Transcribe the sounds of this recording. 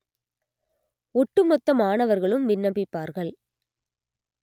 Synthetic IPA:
ɔʈːɯmɔt̪ːɐmaːnɐʋɐɾɣɐɭɯmʋɪnːɐbɪpːaːɾɣɐɭ

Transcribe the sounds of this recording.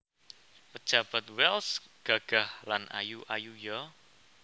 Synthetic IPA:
pə̥ʒ̥a̤b̥a̤t̪̚wɛlsɡ̥aɡ̥ahlana̰juʔajujɔ

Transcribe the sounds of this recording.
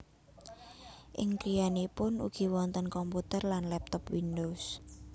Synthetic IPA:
ʔɪŋkɾijanipʊnṵɡ̥i̤wɔnt̪ənkɔmput̪ərlanlɛp̚t̪ɔpwindos

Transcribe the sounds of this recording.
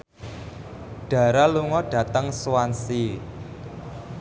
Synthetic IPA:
ɖ̥a̤ɾaluŋɔɖ̥ä̤t̪əŋsuwansi

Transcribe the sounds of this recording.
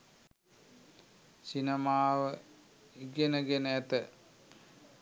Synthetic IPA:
sinemaːʋə | iɡenəɡenəæt̪ə

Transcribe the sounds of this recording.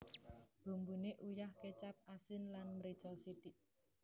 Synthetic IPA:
b̥o̤mbuneʔujahket͡ʃap̚ʔasɪnlanməɾit͡ʃɔsit̪iʔ

